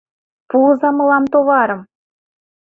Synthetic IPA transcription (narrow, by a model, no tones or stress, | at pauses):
puzɑmɤ̆lˠɑmt̪oβɑɾɤ̆m